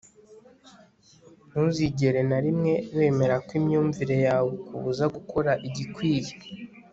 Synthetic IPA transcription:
nuziɟe̞ɾe̞naɾimŋe̞βe̞ːme̞ɾakwimɲuːɱviɾe̞jaːwekuβuzaɡukʰo̞ɾaʔiɟikwiːje̥

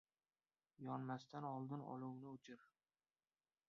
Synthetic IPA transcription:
jɒnmast̪ʰanɒlˠd̪ɪnɒ̰lˠuwnɪʊt͡ʃʰɪɾ

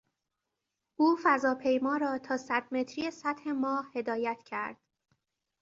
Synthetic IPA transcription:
ʔuːfæzɒːpʰe̞jmɒːɾɒːt̪ʰɒːsæd̪̥me̞t̪ʰɾijesæt̪he̞mɒːhhe̞d̪ɒːjæt̪ʰcʰæɾd̪̥

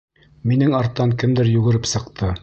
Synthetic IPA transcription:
minɘŋɑɾt̪ːɑŋkɘmd̪ɘɾjʉɡɘ̆ɾɘpsɤ̆qt̪ʰɤ

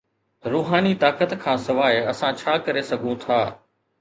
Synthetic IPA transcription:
ɾuːɦaːnit̪aːkət̪kʰãːsɪʋaːɪɐsãt͡ɕʰaːkɐɾesɐɡʱũt̪ʰaː

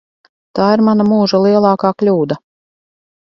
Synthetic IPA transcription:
t̪aːiɾmanamuːʒalˠiɛlˠɑːkaːklʲuːd̪a

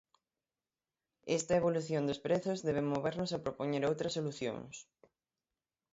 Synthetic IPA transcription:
ɛst̪ɐeβoluθjond̪ʊspɾeθʊzðɛβemoβeɾnʊsɐpɾopoɲeɾowt̪ɾɐsːoluθjõ̰ŋs

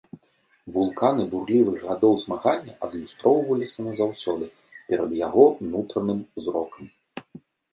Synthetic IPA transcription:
vulˠkʰanɨburlʲivɨɣɣad̪ɔwzmaɣanʲːɐʔɐd̪lʲust̪ɾɔwvɐlʲisʲɐnɐzawsʲɔd̪ɨ | pʲɛɾɐd̪jaɣɔnut̪ɾɐnɨmzɾɔkɐm

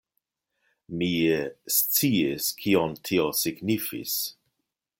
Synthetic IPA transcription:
miest͡siiskʰiontʰiosiɡnifḭs

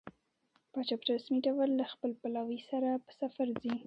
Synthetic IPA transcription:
pɑt͡ʃɑpəɾɾasmiɖawəlːaxpəlpalawisaɾapə̥safaɾzi

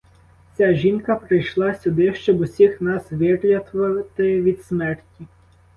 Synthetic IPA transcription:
t͡sʲaʒʲinkɐpɾɪjʃlˠɑsʲʊd̪ɪʃt͡ʃɔbʊsʲixnɑsʋɪrlʲɐt̪ʋɐt̪ɪʋʲid̪smɛrtʲi

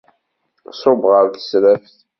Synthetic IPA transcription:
sˤʊbʁəɾθə̥sɾæfθ

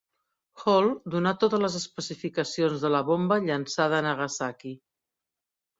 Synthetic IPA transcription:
xɔlˠd̪unat̪ot̪ələzəspəsifikəsionzðələβombəʎənsað̞əːnəɣəsaki

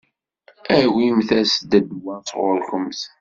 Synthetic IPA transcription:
æwimθæsd̪æd̪wæsˤʁoɾkəmθ

